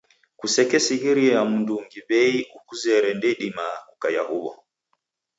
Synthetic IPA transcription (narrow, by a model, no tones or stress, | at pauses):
kusɛkɛsiɣiɾiɛamunduŋɡiβɛiʔukuzɛɾɛndɛɗimakukajahuβɔ̰